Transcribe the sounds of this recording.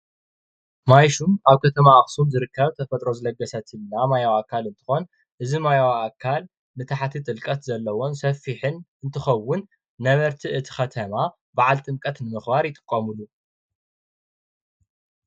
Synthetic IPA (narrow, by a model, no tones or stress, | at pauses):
majʃumaβkʰɐt̪ʰɐmaʔaxsumzɨɾɨkʰːɐβt̪ʰɐfɐt̪ʼɾo̞zɨlɐɡɐsɐt̪ɪlnamajawakʰːalɨnt̪ʰɨ̥xon | ʔɨzimajawaakʰːal | nɨt̪ʰaħat̪ʰit̪ʼɨlkʼɐt̪zɐlːɐwo̞nsɐfːiħɨnʔɨnt̪ʰɨxɐwːʊnː | ɐβɐɾt̪ʰiʔɨt̪ʰi̥xɐt̪ʰɐma | baʕalt̪ʼɨmkʼɐt̪nɨmɨxbaɾjɪt̪ʼɨ̥kʼːɐmulu